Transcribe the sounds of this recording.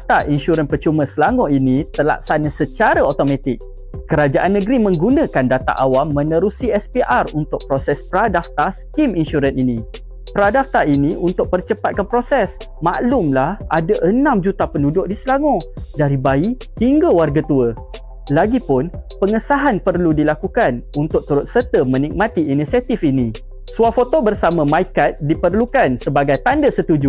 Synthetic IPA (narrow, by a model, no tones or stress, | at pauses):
t̪aʔinʃuɾənpərt͡ʃumə̃səlaŋɔ̃inĩt̪əla̰ʔ̚sanəsət͡ʃaɾaot̪omãt̪ɪk̚ | kəɾad͡ʒaʔanːə̃ɡɾimə̃ŋɡunə̃kandat̪a̰ʔawamːə̃nə̃ɾusiɛspiʔarunt̪ʊk̚pɾosɛspɾadaft̪askiminʃuɾəninĩ | pəɾadaft̪ainiʔunt̪ʊk̚pərt͡ʃəpat̪̚kanpɾosɛs | maʔlʊmlahʔadaʔənãmd͡ʒut̪apənudʊʔ̚disəlaŋɔ̃daɾibai | hiŋɡəwarɡat̪uə | laɡipʊnpəŋəsaɦanpərludilakukanunt̪ʊʔ̚t̪uɾʊt̪̚sət̪əmə̃nik̚mãt̪iinisiat̪ifinĩ | suafot̪obərsamãmaikat̪̚dipərlukansəbaɡajt̪andəsət̪ud͡ʒu